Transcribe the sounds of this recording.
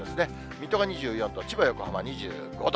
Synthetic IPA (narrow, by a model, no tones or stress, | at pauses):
esɨne̞ | mʲit̪oɡaɲ̟iʑɨːjõ̞nt̪ot͡ɕibajo̞kɯhamaɲ̟iʑɨ̰ːɡo̞̰d̪